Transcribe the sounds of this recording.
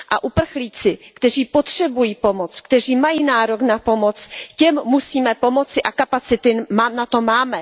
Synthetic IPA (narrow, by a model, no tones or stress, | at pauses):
ʔa̰ʔupr̩xliːt͡sɪkt̪ɛriːpot̪r̝̥ɛbujiːpo̞mot͡skt̪ɛr̝iːmajiːnaːɾoknapo̞mo̞t͡scɛmːusiːmɛpo̞mo̞t͡sɪʔakapat͡sɪt̪ɪnat̪o̞maːmɛ